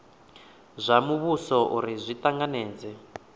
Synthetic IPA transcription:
zʷamuβusɔʔuɾizʷitaŋɡanɛːd͡zɛ

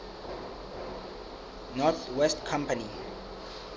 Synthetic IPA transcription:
nɔθwɛstkʰãmpani

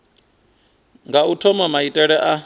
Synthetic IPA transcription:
ŋɡautʰɔmamaitʼɛɺɛʔa

